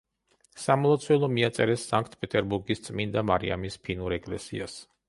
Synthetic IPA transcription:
samɔlˠat̪sʰwɛlˠɔmiat̪sʼɛɾɛsːaŋkʰt̪ʰpʼɛt̪ʼɛɾbuɾɡist̪sʼmind̪amaɾḭa̰mispʰinuɾɛkʼlɛ̰sḭas

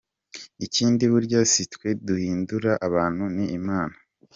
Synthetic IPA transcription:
iciːndiβuɾɟasitkwe̞duhiːnduɾaʔaβaːn̥huniːmaːna

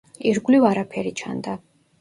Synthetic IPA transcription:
iɾɡlivaɾapʰɛɾit͡ʃʰa̰nd̪a

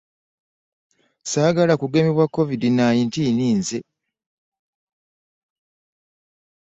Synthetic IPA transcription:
saːɡalakuɡe̞miβwakːo̞vidinaːjintiːniːnze

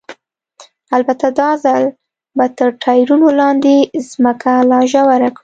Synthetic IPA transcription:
albat̪ad̪ɑzal | bat̪əɾʈʰɑjɾunolɑnd̪ezməkalɑʒawaɾakɽi

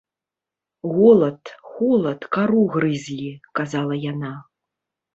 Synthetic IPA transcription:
ɣɔlˠɐt̪ɣɔlˠɐt̪kaɾuɣɾɨzʲlʲikazalˠɐjana

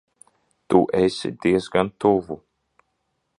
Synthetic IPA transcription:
t̪ṵʔɛsʲḭd̪iɛzɡant̪uvu

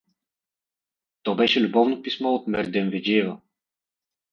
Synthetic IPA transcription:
t̪ɔbɛʃɛlʲubɔvnopismɔot̪mɛɾd̪ɛnvɛd͡ʒiɛvɐ

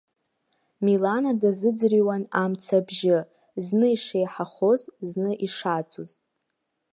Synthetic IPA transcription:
milanadazɨd͡zriwanamt͡sʰabʒɪ | znɨiʂejħaχozznɨʔiʂat͡sʼuz

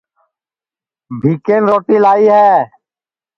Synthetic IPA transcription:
bʱiːkeːnɾoːʈiːlaːiːɦɛː

